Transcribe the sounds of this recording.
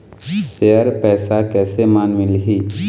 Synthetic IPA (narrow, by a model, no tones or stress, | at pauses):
sejəɾpɛːsakɛːsemaːnmɪlɦiː